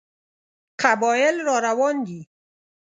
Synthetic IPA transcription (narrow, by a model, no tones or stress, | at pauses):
qʰabɔɪlɾɔɾawɔnd̪i